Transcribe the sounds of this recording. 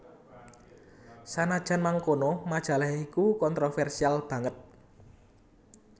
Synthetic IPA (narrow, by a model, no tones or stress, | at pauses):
sanad̥ʒ̥a̤nmaŋkonomad̥ʒ̥a̤lahikukɔnt̪ɾofɛrsialb̥ä̤ŋət̪̚